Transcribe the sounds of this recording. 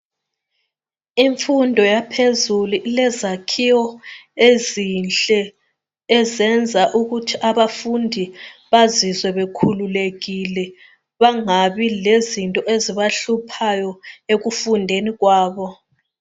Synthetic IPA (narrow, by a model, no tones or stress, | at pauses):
iɱfundʱɔjapʰezuluʔilɛzakʰiwɔezinɬʼɛː | zɛnd͡zʱaʔuɣutʰiʔaβafundʱiβazizwɛβekʰululeɣilɛ | βaŋaβilezintʼɔʔeziβaɬupʰajɔeɣufundʱeniɣwaːβɔ